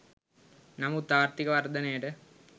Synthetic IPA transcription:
nɐmut̪aːɾt̪ikɐʋɐrd̪ɐnɐjɐʈɨ

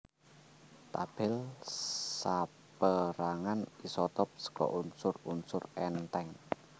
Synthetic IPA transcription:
t̪ab̥ɪl | sa | pəɾaŋanisɔt̪ɔp̚sə̥kɔ̰ʔunsʊrunsʊrɛnt̪ɛŋ

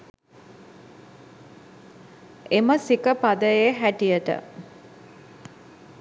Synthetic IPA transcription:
eməsikəpad̪əjeɦæʈijəʈə̰

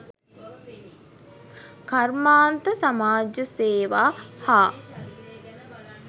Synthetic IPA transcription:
karmaːnt̪əsamaːd͡ʒəseːʋaːhaː

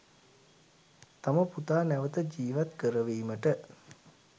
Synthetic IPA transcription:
t̪aməput̪aːnæʋət̪əd͡ʒiːʋat̪kəɾəʋiːməʈə

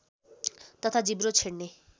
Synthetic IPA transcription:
t̪ɔt̪ʰad͡ʒibɾot͡ʃʰeɽne

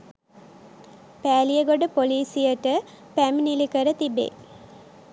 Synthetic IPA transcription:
pæːlijəɡoɖəpoliːsijəʈə | pæminilikəɾət̪ibḛ

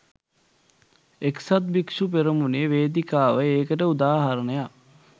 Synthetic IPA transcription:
eksat̪̚bikʂup̬eɾəmuneʋeːd̪ikaːʋəeːkəʈəud̪aːɦɐɾənəja

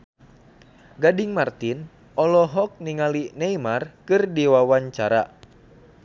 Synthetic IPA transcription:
ɡadiŋmart̪in | ɔlɔɦɔk̚niŋalinɛimarkɨrdiwawaɲt͡ʃaɾa

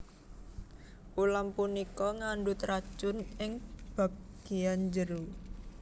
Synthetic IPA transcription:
ʔulampunikɔŋaɳɖut̪ɾad̥ʒ̥ʊ̤nɪŋb̥a̤p̚ɡ̥iand͡ʒəɾu

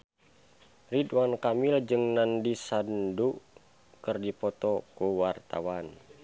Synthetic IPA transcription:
ridwankamild͡ʒəŋnandisandu | kɨrdipɔt̪ɔkuwart̪a̰wan

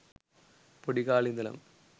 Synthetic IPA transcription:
pɔɽɪɣaːɭind̪ɐlɐ̰m

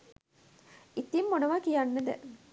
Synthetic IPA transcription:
it̪imːonəʋakijanːəd̪ə

